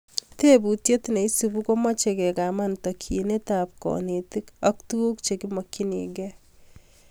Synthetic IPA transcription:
te˦bu˨tje˦tine˨i˦si˨bu˦ko˦ma˦t͡ʃe˨kɛ˨ka˨ma˦ntɔ˨kʰi˨ne˦ta˨p̚kɔ̰˨ne˨ti˦kɔ˦ktu˦u˦kt͡ʃe˨ki˦mɔ˨ki˦nḭ˨ɡɛ˦

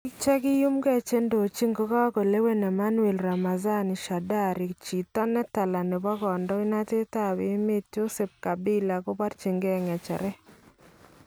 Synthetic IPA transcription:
ɪ˦t͡ʃɛ˦kɪ˦jʊ˦mɡɛ˦˨t͡ʃe˦ndo˨t͡ʃi˦ŋɡo˦ka˦ko˨le˦we˦nɛ˨ma˦nu˦e˨lɾa˨ma˨za˦nɪ˨ʃa˨da˦ɾɪ˨t͡ʃi˨ta˦nɛ˦ta˨la˨ne˨ba˦ɡɔ˨ndɔ˦ɪ˦na˦te˦ta˦˨bɪ˨˦me˦t̚d͡ʒo˦se˨p̚ka˨bɪ˦la˨ko˦ba˦ɾt͡ʃi˨ŋɡɛ˦˨ŋɛ˨t͡ʃɛ̰˨ɾɛ˦

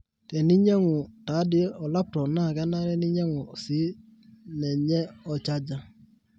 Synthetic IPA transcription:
tɛ˨ni˦ɲɛ˦ŋu˨ta˨˦dɪ˦ɛ˦ɔ˨la˦p̚tɔ˨na˦˨ɣa˦na˦ɾɛ˦ni˦ɲɛ˦ŋu˨si˦ | nɛ˨ɲɛ˦ɔ˨t͡ʃa˦d͡ʒa˦˨

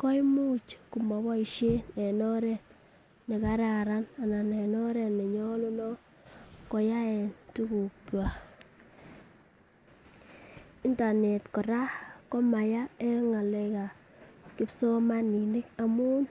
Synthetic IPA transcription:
kɔ˦jmu˦t͡ʃku˨mɔ˨βɔ˦i˨ʃe˦ne˨nɔ˦ɾɛ˦ | ne˨ka˦ɾa˨ɾa˦na˨na˨ne˨nɔ˦ɾɛ˨ne˨ɲɔ˦lo˦nɔ˦ | kɔ˨ja˦ɛ˨ntu˦ku˨kwa˨ | ɪ˦nta˨ne˨tkɔ˨ɾa˦kɔ˦ma˨ja˦e˦ŋa˨le˨ka˨ | kɪ˦pso˦ma˦ni˨nɪ˦ka˨mu˦n

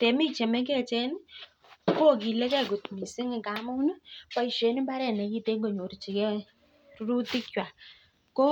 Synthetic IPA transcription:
tɛ˨mi˦t͡ʃɛ˨mɛ˦ŋɡɛ˦˨t͡ʃɛ˦n˦ | ko˦˨ki˨lɛ˦kɛ˦˨kʊ˨tmi˨sɪ˦ŋɪ˨ka˨˦mu˦n˦pa˦i˨ʃe˨˦nɪ˦mba˦ɾɛ˦˨nɛ˨ki˦te˦ŋɡo˨ɲo˨ɾi˨t͡ʃi˨kɛ˦ | ɾu˦ɾu˦tɪ˦kwa˨ | kɔ˦

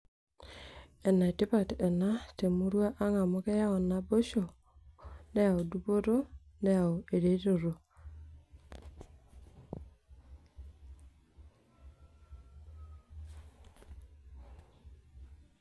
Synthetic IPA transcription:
ɛ˨na˨e˨tɪ˦pa˦˨tɛ˨na˦te˨mu˦ɾwa˦ʔa˦ŋa˨mo˦ke˦ja˦ɔ˨na˨bo˦ʃo˨ | ne˦a˨o˨du˦bo˦ɾo˦ | ne˦a˨o˨e˨ɾe˨˦ɾo˨ɾo˨

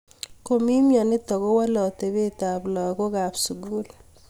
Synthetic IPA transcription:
ko˨mi˦mjɔ˨nɪ˦tɔ˨ɣo˦wa˦lɔ˨te˨be˦ta˨blɔ˨ko˦ka˨psu˨ɡu˦l

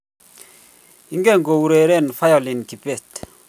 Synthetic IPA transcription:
i˦ŋɡɛ˦˨ŋɡo˨u˨ɾe˨ɾɛ˦˨nfa˦jɔ˨li˨nki˨pɛ˦˨t

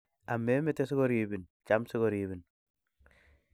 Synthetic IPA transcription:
a˨mːe˨˦me˦te˦si˦ko˦ɾi˨bi˨nt͡ʃa˦msɪ˦ɡo˨ɾiβi˨n

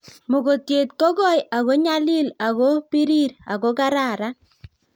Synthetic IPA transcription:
mo˨ɡo˨t̪je˨t̪ko˦ɡɔ˦˨ja˨ɣo˦ɲa˦li˦la˨ɣo˦pi˦ɾi˦ɾa̰˨ɡo˦ka˦ɾa˨ɾa˦

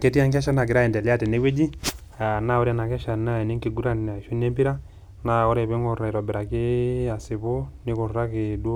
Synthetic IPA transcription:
ke˦ti˦a˦ŋk̬ɛ˦ʃa˦na˨ɡɪ˨ɾa˦ɛ˨dɛ˨li˦a˦˨tɛ˨ne˦we˦d͡ʒi˦ | a˨na˦ɔ˦ɾa˦˨na˨kɛ˦ʃa˨na˦i˨ni˦ŋki˨ɡu˦ɾa˦n˨a˨ʃu˦ne˦mbi˦ɾa˦ | na˦ɔ˦ɾɛ˦˨be˦ŋɔ˨ɾa˨i˨ɾɔ˨bi˨ɾa˨ki˦a˨sɪ˨bo˦ni˦kɔ˨ɾɾa˦kɪ˨do˦

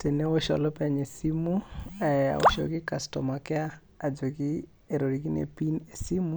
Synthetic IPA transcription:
te˨ne˦wo˦ʃɔ̰˨lɔ˦pɛɲe˨si˦mu˦ɛa̰˨o̰˨ʃo̰˨ɡi˦ka˨stɔ˨ma˨kɛ˦a˦ | a˨d͡ʒo˨ɡi˦ | eɾo˨ɾiɡi˦nḛ˨pi˦ne˨si˦mu˦

